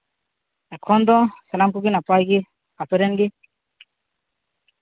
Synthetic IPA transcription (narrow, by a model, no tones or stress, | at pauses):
ɛkʰɔnd̪ɔsalamkuɡinapajɡi | at̪ɔɾɛnɡi